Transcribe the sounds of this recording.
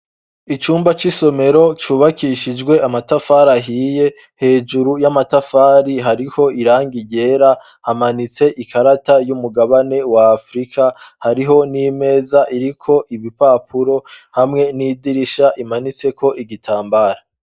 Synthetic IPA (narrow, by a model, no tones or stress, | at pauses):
it͡ʃuːmbat͡ʃiso̞me̞ɾo̞t͡ʃuːβakʰiʃid͡ʒɡwe̞ʔamatafaːɾaɦiːje̞ | he̞ːd͡ʒuɾujamatafaːɾiɦaɾiho̞ʔiɾaːŋɡiɟe̞ːɾa | hamanit͡se̞ʔikaɾatajumuɡaβane̞waːfɾikʰahaɾiɦo̞nime̞ːzaʔiɾikʰo̞ʔiβipaːpuɾo̞hamŋe̞niːdiɾiʃaʔimanit͡se̞ko̞ʔiɡitʰaːmbaːɾa